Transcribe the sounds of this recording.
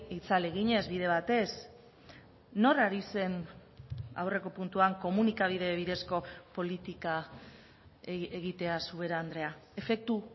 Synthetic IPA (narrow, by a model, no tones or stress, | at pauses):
it͡saleɣiɲe̞zβið̞e̞βat̪e̞s | no̞raɾise̞n | a̰wre̞ko̞punt̪uaŋko̞munikaβ̞ið̞e̞β̞iðe̞sko̞po̞lit̪ika | eɣit̪e̞asue̞ɾand̪ɾe̞ae̞fe̞k̚t̪u